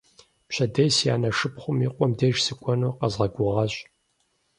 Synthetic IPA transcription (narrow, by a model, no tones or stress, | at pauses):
pɕʰɐdɐjsja̰ːnɐʂɨpχʷʊmiqʷʼɔmdeʒsɨkʷʼɔnoːqɐzʁɐɡʷʊʁɐɕʼ